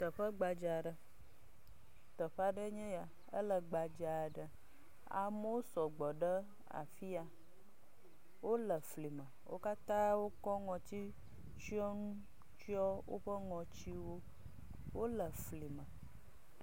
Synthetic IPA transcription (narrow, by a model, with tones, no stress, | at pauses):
t̪ə˨ɸə˦ɡ͡ba˨d͡ʒa˨ɖə˨ | t̪ə˨ɸa˦ɖə˦ɲɛ̃˦ja˨ | ə̰˦lə˨ɡ͡ba˨d͡ʒa˨ɖə˨ | a̰˨mə˦wo˦sɔ˨ɡ͡bɔ˨ɖə˦ | a̰˨fi˦a˨ | wo˦lə˨fli˨mə˨wo̰˦ka˦t̪ã˦wo˦kɔ˦ŋɔ̃˨t̪i˦ | t͡ʃu˦ɔ˦nũ˦ | t͡ʃi˦ɔ˦wo̰˦ɸə˦ŋɔ̃˨t͡ɕi˦wo˦ | wo˦lə˨fli˨mə̃˨